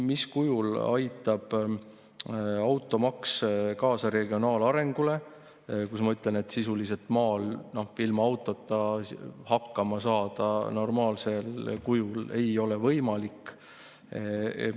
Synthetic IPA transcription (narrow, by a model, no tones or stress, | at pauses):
miskujulɑjt̪ːˑɑb̥ | ɑwt̪ːˑo̞mɑkskɑːsɑɾe̞ɡio̞nɑːlɑɾe̞ŋɡ̥ule̞ | kusmɑyt̪ˑlene̞t̪sisulis̬e̞lt̪mɑːlno̞ilmɑɑwt̪ːˑot̪ːˑɑhɑkːɑmɑsɑːd̪̥ɑno̞rmɑːlse̞lkujule̞̰jo̞le̞vɤ̞jmɑlikː